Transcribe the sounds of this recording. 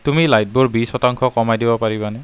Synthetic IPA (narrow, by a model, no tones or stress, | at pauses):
tumilajt̚buɹbisɔtaŋkʰɔkɔmajdibɔpaɹibanɛ